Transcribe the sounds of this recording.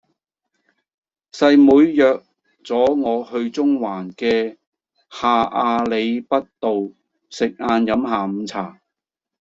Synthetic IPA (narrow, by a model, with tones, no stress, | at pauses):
sɐ˧jmuː˨˧jːœː˨k̚ | t͡sɔː˨˥ŋɔː˨˧hɵ˧ɥt͡sʊ˥ŋwaː˨˩nkɛː˧ | haː˨˧ʔaː˧le˨˧jpɐ˥t̚t̪o˨w | sɪ˨k̚ʔaː˧njɐ˨˥mɦaː˨m̩˨˧˦t͡sʰaː˨˩